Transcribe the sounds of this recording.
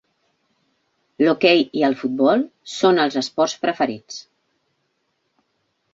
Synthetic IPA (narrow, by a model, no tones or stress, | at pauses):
lokɛjiəlˠfut̪̚bɔlˠsonəlˠzəspɔrspɾəfəɾit͡s